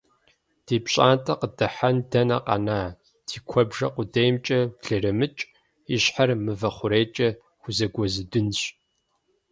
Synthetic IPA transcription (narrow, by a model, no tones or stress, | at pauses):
d̥iːpɕʼaːntʼɐqədɨħandɐnɐqʼa̰naː | d̥ʰiːkʷʰɔbʒɐqʷʊdejmt͡ʃʼɐɮɨrɨmɨt͡ʃʼ | iɕħarmɨvɐχʷʊɾeːt͡ʃʼɐ | xʷʊzɐɡʷɔzɨdɨnɕ